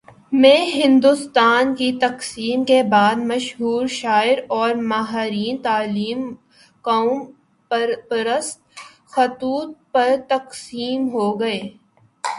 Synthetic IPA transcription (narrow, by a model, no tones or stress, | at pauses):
mẽɦɪ̃nd̪ʊst̪aːnkit̪ɐqsiːmkebaːd̪mɐʃɦuːɾʃaːɪɾɔːɾmaɦaɾiːnt̪aːliːm | kaːm | pɾpɐɾəst̪ | xɐt̪uːt̪̚pɐɾt̪ɐqsiːmɦoɡɐeː